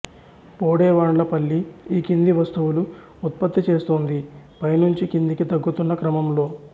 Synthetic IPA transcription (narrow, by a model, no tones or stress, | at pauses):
poːɽeːʋaːɳlɐpɐlːiiːkind̪iʋɐst̪uʋulu | ut̪̚pɐt̪ːit͡ʃe̞ːst̪oːnd̪ipɐjnuɲt͡ʃikind̪ikid̪ɐɡːut̪unːɐkɾɐmɐmlo̞ː